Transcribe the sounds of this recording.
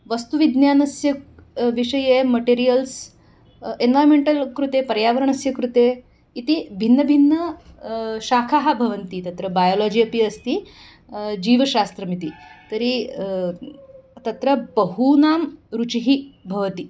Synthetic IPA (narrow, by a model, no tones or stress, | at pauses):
ʋɐst̪uʋid̪njaːnɐsjɐʋiʂɐjemɐʈeɾijəls | enʋaːjmeɳʈɐlkɾut̪eːpɐɾjaːʋɐɾɐɳɐsjɐkɾut̪eː | it̪ibʱinːɐbʱinːɐ | ʃaːkʰaːɦabʱɐʋɐnt̪it̪ɐt̪ɾɐbajoːlɔːd͡ʒiːɐpiɐst̪i | d͡ʒiːʋɐʃaːst̪ɾɐmit̪it̪ɐɾi | t̪ɐt̪ɾɐbɐɦunaːmɾut͡ʃiɦibʱɐʋɐt̪i